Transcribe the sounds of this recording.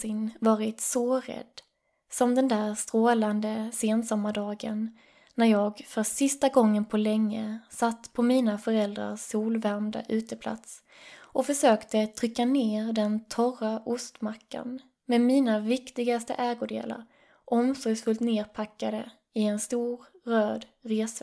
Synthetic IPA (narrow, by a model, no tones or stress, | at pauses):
ɪnvɑːɾɪt̪sɔɾɛ̰d̪̥ː | sɔmd̪ɛnd̪æːɾst̪ɾoːland̪əseːnsɔmːaɖɑːɡənː | æɾjɑːɡfœsɪst̪aɡɔŋːənpʰɔlɛŋːəsat̪ːpʰɔmiːnafœɾɛld̪ɾa̰suːlvæɾmd̪a̰ʔʉ̟ːt̪əpʰla̰t̪s | ʔɔfœʂøːkt̪ət̪ʰɾʏkːaneːɾd̪ɛnt̪ʰɔraʔʊst̪makːa̰n | mɛmiːnavɪkt̪ɪɡast̪ə̰ʔɛːɡʊd̪ḛːla̰ɾ | ʔɔmsɔjsfɵlt̪neːɾpʰakːad̪ə | ɪɛnst̪uːɾ | ɾøːd̪ɾeːs